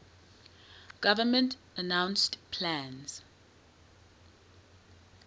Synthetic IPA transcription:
ɡ̥avəmɛ̃ntʰ | anãw̃nstpʰlãnz̥

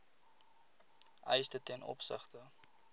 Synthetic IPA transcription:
ʔœjsdətɛnʔɔ̰psə̰χtə

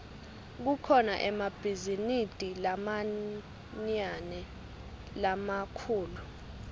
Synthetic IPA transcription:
k̬ukʰɔna̰ʔɛmab̥ʱizinid̥ʼʱilama | ɲanɛ | lamakʰuːlu

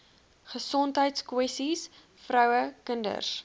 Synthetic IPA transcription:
χəsɔntɦəjtskwɛstis | frœwəkəndə̰s

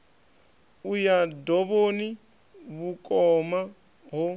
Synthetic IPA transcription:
ujadɔβoni | βukʼɔma | ɦɔ

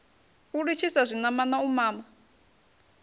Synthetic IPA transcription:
uɺit͡ʃʰisazʷinamanaumaːma

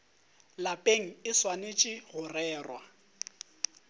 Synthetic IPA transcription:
lapʼeŋ̩ɪswanet͡ʃʼɪɣʊrɛːrwa

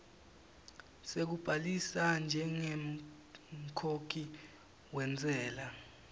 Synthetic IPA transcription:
sek̬ub̥ʱalisand͡ʒʱɛŋem̩ | kʰokʰi | wɛnt͡sʼɛːla

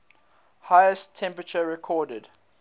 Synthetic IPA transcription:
haɪəstʰːɛ̃mpɹət͡ʃəɹɛkʰɔːdəd̥

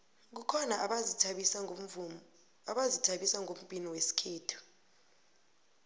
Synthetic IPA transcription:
k̬ukʰɔnaʔʰs | aɓazitʰaɓisaŋʱom̩bʱʼiniwesi̥kʰeːtʰu̥

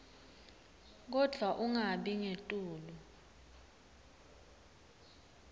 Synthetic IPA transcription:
k̬ɔd̥ʱwaʔuŋaɓiŋetʼuːlu

